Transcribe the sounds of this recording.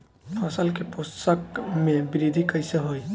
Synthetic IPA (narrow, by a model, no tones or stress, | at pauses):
pʰasəlkeposəkmẽbiɾid̪ʱikəjseɦoj